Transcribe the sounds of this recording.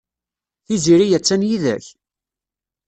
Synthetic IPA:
θiziɾijæt͡sːænjiðæ̰ç

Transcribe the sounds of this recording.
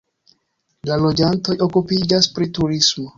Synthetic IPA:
lalo̞d͡ʒanto̞jo̞kupid͡ʒaspɾituɾismo̞

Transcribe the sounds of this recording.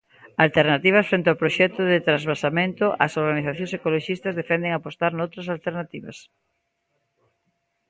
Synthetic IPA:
alt̪eɾnat̪iβ̞ɐsfɾent̪eawpɾoʃɛt̪ʊðɪt̪ɾazβasamẽnt̪ʊʔɐsoɾɣaniθaθjõŋsekoloʃist̪ɐzðefɛnd̪eŋapost̪aɾnowt̪ɾɐsalt̪eɾnat̪iβɐ̰s

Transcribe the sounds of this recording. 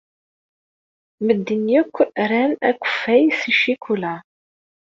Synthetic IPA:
məd̪ːənjækʷːɾænæ̰kʷːə̥fːæjsiʃikʷʰulæ

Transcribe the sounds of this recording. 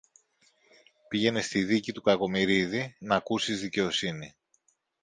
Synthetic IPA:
piʝe̞nest̪iðicit̪ukɐko̞miɾiðinɐkusizðice̞o̞sini

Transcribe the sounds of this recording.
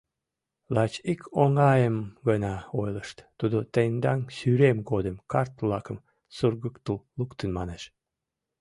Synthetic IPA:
lɑt͡ɕikʰoŋɑjəmɣənɑojləʃt̪t̪ud̪ot̪end̪ɑŋsyɾemɡod̪əmkɑrt̪βlɑkəm | surɣəkt̪əllukt̪ənmɑneʃ

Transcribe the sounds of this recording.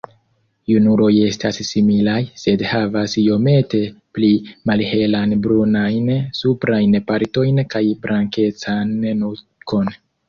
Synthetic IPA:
junuɾo̞je̞sta̰sːimilajse̞dhavasjo̞me̞te̞plimalhe̞lanbɾunajnsupɾajnpaɾto̞jnkajbɾʔaŋke̞t͡sannu | ko̞n

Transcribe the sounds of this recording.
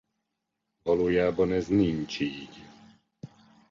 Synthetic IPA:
bɔlujaːbɔnɛzniɲt͡ʃiːɟ

